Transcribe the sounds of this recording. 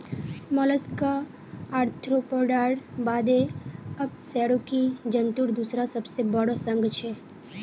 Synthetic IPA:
mɔləskaː | ɾt̪ʰɾopəɖaːɽbaːd̪eək̚sɛːɽukid͡ʒənt̪uɾd̪usɾasəbsebəɽosə̃ŋɡt͡ʃʰe

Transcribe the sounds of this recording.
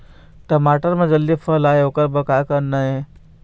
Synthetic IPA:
t̪əmaʈəɾməd͡zəlːifəlajokəɾbəkakənːaje

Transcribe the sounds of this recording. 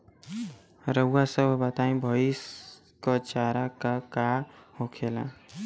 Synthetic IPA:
ɾəwasəbʱbət̪aĩbʱəis | kɔt͡ʃaɾakakahokʰelã̰

